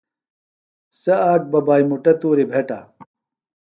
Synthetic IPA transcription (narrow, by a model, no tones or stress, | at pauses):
sɐaːk̚bɐbaːjmuʈɐt̪uːɾibʱeʈa̰